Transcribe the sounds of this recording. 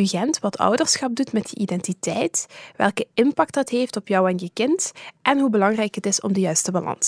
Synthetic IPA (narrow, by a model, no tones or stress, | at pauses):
yɣɛntʋɑtʰœ̰wdərsxɑp̚dutmɛtdəʔidɛntitɛjtʋɛ̰lˠkəɪnpɑk̚t̚dɑtɦeːftɔpjɒwɛnjəkɪntʔɛnɦubəlɑŋrɛjkətɪsɔ̰mdəjœɥstəbɑlʔɑ̰nsə